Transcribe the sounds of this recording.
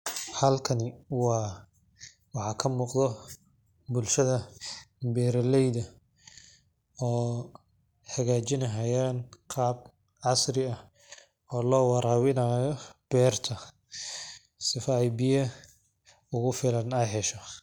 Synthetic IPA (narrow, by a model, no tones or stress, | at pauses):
hɐlkʰɐnɪwɑː | wɑħɑːkʰɐmuːqd̪ɔ | bʊlʃɐðɐ | bɛːɾɐlɛjðɐ | ɔː | ħɐɣaːt͡ʃɪnɐɦɐjaːnqʰɑːb̚ | ʕɑsrɪɐ | ɔːlɔːwɑɾaːwɪnaːjɔb̥ɛːrt̪ʰɐ | sɪfaːʕjbɪjɐ | ʊɣʊfɪlɐnɛjħɛʃɔ